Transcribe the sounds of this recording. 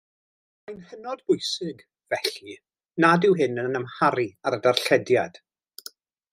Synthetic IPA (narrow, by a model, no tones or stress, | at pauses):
m | ajnhənɔdbʊjsɪɡ | vɛɬi | nadɪwɦɪnənəmhaɾiaɾədarɬɛdjad̥